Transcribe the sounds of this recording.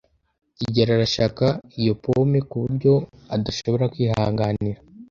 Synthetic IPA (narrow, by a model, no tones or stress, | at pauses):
iɟeɾaɾaʃakaijo̞pomekuβuɾɟo̞adaʃo̞βo̞ɾakwiːɦaːŋɡaniɾa